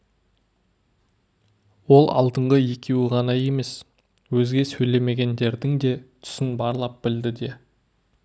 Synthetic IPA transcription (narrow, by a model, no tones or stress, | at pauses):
wo̞lˠɑ̰lˠd̪əɴʁəje̞kʲʰe̞wɪʁɑnɑje̞me̞s | wɵzɡʲe̞sɵjle̞me̞ɡʲe̞nd̪e̞ɾd̪ɪŋd̪e̞t̪ʰʏ̥sɪnbɑɾlˠɑp̚bɪld̪ɪd̪e̞